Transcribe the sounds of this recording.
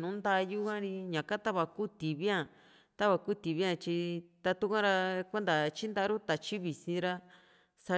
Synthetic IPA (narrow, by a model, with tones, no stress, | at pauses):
nũ˨˦nd̪a˧ju˦kã˦ɾi˧ɲã˨ka˦t̪a˦βa˧ku˦t̪i˨βi˦ã˦˨ | t̪a˦βa˧ku˦t̪i˨βi˦ã˦˧t͡ʃi˧t̪a˧t̪u˦kʷã˦ɾa˧kʷe˦nd̪a˨t͡ʃi˦nd̪a˦ɾu˦t̪a˨t͡ʃi˦βi˨sĩ˧ɾa˧ | sa˧